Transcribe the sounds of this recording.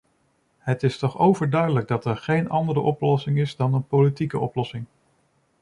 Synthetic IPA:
ɦətɪstɔχowvəɹdœɥdələɡ̚dɑtɛɹχejnɑndəɾəʔɔplɔsɪŋɪzdɑnənpolitikəʔɔplɔsɪŋ

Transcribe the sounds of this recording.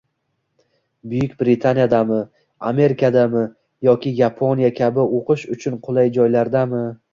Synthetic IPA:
bʊjʊkʲbɾɪt̪ʰanjad̪amɪ | a̰me̞ɾɪkʰad̪amɪ | jɒkʲɪjapʰonʲjakʲʰabɪoqʰɨʃʊt͡ʃʰʊnqʰolˠajd͡ʒɒjlaɾd̪amɪ

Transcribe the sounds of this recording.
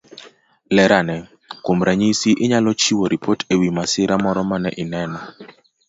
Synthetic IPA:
lɛɾʔanɛ | kwomɾaɲisiʔɪɲalɔt͡ʃiwoɾipʰotʰewimasɪɾamɔɾɔmanɛʔɪnɛnɔ

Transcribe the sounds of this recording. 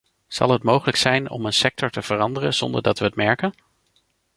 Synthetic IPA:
z̥ɑ̰lˠɦətmowχələksɛjnɔ̰mənsɛk̚tɔɹtəv̥ərɑndərənz̥ɔndə̰ɹdɑtʋəɦətmɛɹkən

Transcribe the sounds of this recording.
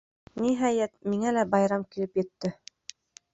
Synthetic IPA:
niɦæjæt̪̚miŋælæbɑjɾɑmkilɘpjɘ̆t̪ːɘ

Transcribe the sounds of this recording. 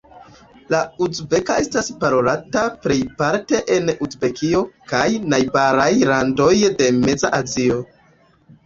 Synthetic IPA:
lauzbe̞kae̞staspaɾo̞latapɾe̞jpaɾte̞ʔenuzbe̞kʰio̞kajnajbaɾajlando̞jde̞me̞zaʔazio̞

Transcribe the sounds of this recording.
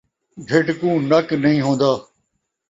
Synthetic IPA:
d̪ʱeʈkũːnəknəɦĩːɦõːnd̪aː

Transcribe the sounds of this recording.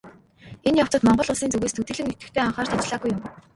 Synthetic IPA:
enjaw̥t͡sə̆t̪mɔɴɢɞ̆ɮʊɮsiːnt͡sɵɣeːst̪ʰut̪ɘ̆ɮɘ̆ŋet̪ɘ̆t̪ʰeːɔɴχɔːrt̪ʰɔt͡ɕɮaːɣujʊm

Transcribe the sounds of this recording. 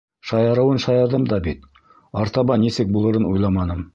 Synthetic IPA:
ʃɑjɑɾɤ̆wɤnʃɑjɑɾðɤmd̪ɑbit̪̚ | ɑɾt̪ɑβɑnisɘk̚bulˠɤ̆ɾɤnujlˠɑmɑnɤm

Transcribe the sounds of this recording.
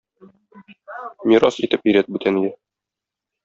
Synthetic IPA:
mʲiɾɑsit̪ɘpĭjɾæt̪̚bʉt̪ʰænijɘ

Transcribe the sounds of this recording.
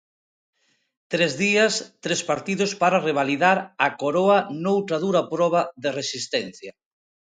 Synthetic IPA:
t̪ɾezðiɐst̪ɾespaɾt̪iðʊspaɾareβ̞aliðaɾakoɾoɐnowt̪ɾaðuɾapɾɔβ̞aðeresist̪ɛn̟θjɐ

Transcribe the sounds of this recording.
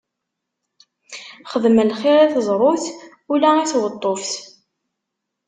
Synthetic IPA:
χəðməlχɪɾæθəzˤɾˤoθ | ulæiθwət̪ˤːofθ

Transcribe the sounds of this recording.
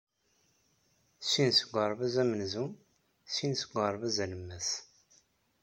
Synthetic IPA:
sinsəɡʷɑɾˤvæzæmənzum | sinsəɡʷɑɾˤvæzæləmːæs

